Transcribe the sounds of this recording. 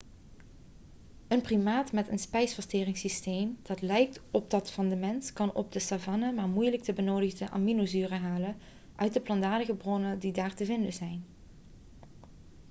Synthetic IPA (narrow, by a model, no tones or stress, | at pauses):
ənprimaːtmɛtənspɛjsfɑstɪːrɪŋsistejmd̥ɑtlɛjk̚tɔb̚dɑtfɑndəmɛnskɑnɔ̰b̚dəsavɑnamaːɹmujlək̚təbənowdəɣdəʔa̰minozyːrəɦaːlən | ʔœɥt̚dəplɑndaːdəɣəbrɔnəndidaːɹtəvɪndəzɛjn